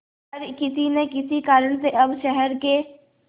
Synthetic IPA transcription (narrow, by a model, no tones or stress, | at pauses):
ɾkɪsinekɪsikaːɾəɽ̃seʔɐbʃɛɦɛɾke